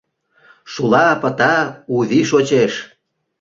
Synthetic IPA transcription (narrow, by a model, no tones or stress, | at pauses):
ʃulɑpə̆t̪ɑuβiʃot͡ɕeʃ